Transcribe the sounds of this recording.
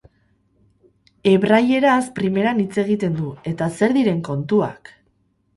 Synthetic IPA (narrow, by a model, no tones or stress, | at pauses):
e̞βɾaje̞ɾaspɾime̞ɾanit͡se̞ɣ̞it̪e̞nd̪ue̞t̪ase̞ɾðiɾe̞ŋko̞nt̪ua̰k